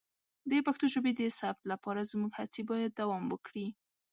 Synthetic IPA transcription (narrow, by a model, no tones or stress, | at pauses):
d̪əpaxt̪oʒobed̪əsab̚t̪lapɑɾazmuɡhat͡sibɑjad̪ːawɑmwəkɽi